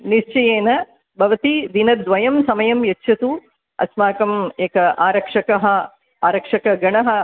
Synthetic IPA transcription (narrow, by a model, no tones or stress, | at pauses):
niʂt͡ʃɐjeːnɐ | bʱɐʋɐt̪id̪inɐd̪ʋɐjɐmsɐmɐjɐmjɐtːʃʰɐt̪u | ɐ̰smaːkɐmeːkɐʔaːɾɐkʂɐkɐɦɐ̆ | aːɾɐkʂɐkɐɡɐɳɐɦɐ̆